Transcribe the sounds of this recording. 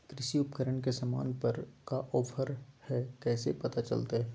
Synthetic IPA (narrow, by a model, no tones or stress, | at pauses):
kɾɪʃiʊpkəɾəɳkesama̰ːnpɐɾkaʔɔːpʰəɾhɛkɛːsḛpɐt̪at͡ʃɐ̰lt̪aɦɛː